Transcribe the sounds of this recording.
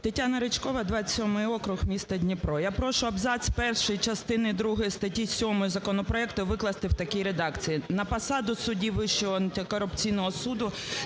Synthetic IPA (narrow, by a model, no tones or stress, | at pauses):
t̪etʲanɐɾɪt͡ʃkɔʋɐd̪ʋɑsʲɔmɪjɔkɾʊɣmʲist̪ɐdʲnʲipɾɔjapɾɔʃʊɐbzɑsʲpɛrʃɔjit͡ʃɐst̪ɪnɪd̪ɾuɦɔjist̪ɐtʲisʲɔmɔjʊzɐkɔnɔpɾɔɛkt̪ʊʋɪklˠɐst̪ɪwt̪ɐkʲiɾed̪ɑkt͡sʲijinɐpɐsɑd̪ʊsʊdʲiʋɪʃt͡ʃɔɔntʲkɔɾʊpt͡sʲijnɔɦɔsud̪ʊ